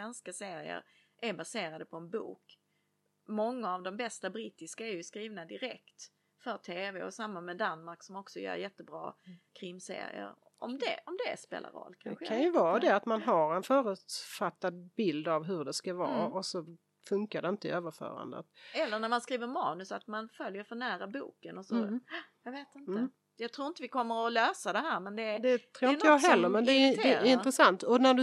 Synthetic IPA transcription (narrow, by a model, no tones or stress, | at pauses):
ɛnskaseːɾɪə̰ɾ | ʔæɾbaseːɾad̪əpʰɔɛnbṵːk | mɔŋːaːvd̪ɔmbɛst̪abɾiːt̪ɪskaæɾjɵskɾiːvnad̪ɪɾɛkt̪ | fœʈ̪ʰeːvɛɔsamːamɛd̪anmaɾksɔmɔksɔjœ̰ːɾjɛt̪ːəbɾɑ̰ːkʰɾɪmsḛːɾɪ̰ə̰ɾ | ʔɔ̰md̪ɛɔmd̪ɛ̰spḛːlʔa̰ɾɔ̰lːkʰa̰nɧəkʰanjəvɑːd̪ɛat̪manɦaɾɛnfœːɾʉːt̪fat̪ːad̪̚bɪld̪avɦɵɖɛskavɑ̰ːɔsɔ | fɵŋkaɖɛɪnt̪əøːvəɾfœ̰ːɾa̰nd̪ə̰t̪ɛlːəɳæɾmanskɾiːvəɾmɑ̰ːnɵsat̪manfœljəɾfœɳæːɾabṵːkənɔsɔjɑːɡveːt̪ɪnə | jɑɡt̪ʰɾuːɾɪnt̪əvɪkʰɔmːəɾɔløːsad̪ɛɦæːɾmɛnd̪ɛd̪ɛt̪ʰɾuːɪnəjɑɦɛlːəɾmɛnd̪ɛɛɪnɾəsant̪ɔnæɖɵ